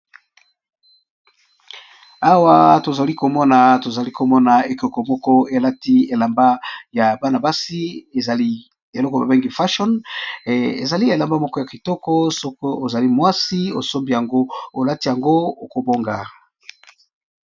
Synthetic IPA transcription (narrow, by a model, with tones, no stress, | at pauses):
a˦wa˦to˨za˨li˦ko˨mɔ˦na˨to˨za˨li˦ko˨mɔ˦na˨e˨ko˨ko˨mɔ˦kɔ˦e˨la˦ti˦e˨la˨mba˦ja˨ba˦na˨ba˦si˦e˨za˨li˦ | e˨lɔ˦ko˨ba̰˨be˦ŋɡi˦fa˦ʃɔ˦n | ḛ˨za˨li˦e˨la˨mba˦mɔ˦kɔ˦ja˨ki˨tɔ˦kɔ˦sɔ˦ko˦o˨za˨li˦mwa˦si˦o˨so˦mbi˦˨ja˨ŋɡo˦o˨la˦ti˦ja˨ŋɡo˦o˨ko˨bo˦ŋɡa˨